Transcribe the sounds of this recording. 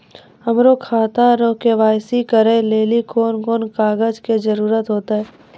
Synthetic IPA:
ɐmɾokʰaːt̪aɾokeʋaːjsikəɾẽleːlikʰoːnkoːnkaːɡəd͡ʒked͡ʒəɾuːɾət̪ɦoːt̪aɦɛː

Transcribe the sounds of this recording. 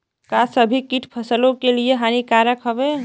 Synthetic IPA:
kasəbʱikiʈʰpʰəsəlokelieɦanikaɾəkɦəbe

